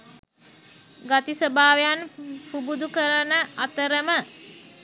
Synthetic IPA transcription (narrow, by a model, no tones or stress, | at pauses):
ɡat̪isəbaːʋejanpubud̪ukəɾanəat̪əɾəmə